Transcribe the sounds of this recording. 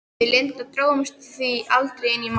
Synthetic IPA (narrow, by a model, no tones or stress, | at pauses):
ɪlejnt̪aðt̪ɾoːwmʏst̪θviʔalt̪ɾejɪnːim